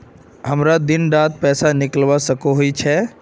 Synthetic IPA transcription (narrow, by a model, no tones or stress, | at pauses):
ɦəmɾad̪ɪnɖaːd̪̚pɛːsanɪkəlʋasəkoɦoit͡ʃʰɛ